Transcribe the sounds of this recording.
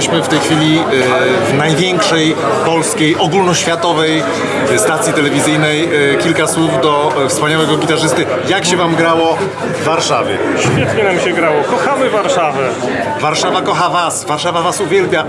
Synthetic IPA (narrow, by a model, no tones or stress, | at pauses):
ɕmɘft̪ɛjxfʲilʲi | vnajvʲjɛŋkʂɛj | pɔlskʲejʔɔɡulnɔɕfʲjat̪ɔvɛj | st̪at̪sʲjit̪ɛlɛvʲizɘjnɛjkʲilkaswuvd̪ɔfspaɲawɛɡɔɡʲit̪aʐɘst̪ɘ | jakɕɛvamɡɾawɔ | vːaɾʂa̰vʲjɛ̰ɕfʲjɛt̪ɲɛnamɕɛɡɾawɔkɔxamɘvaɾʂavɛ | vaɾʂavakɔxavasvaɾʂavavasuvʲjɛlpʲja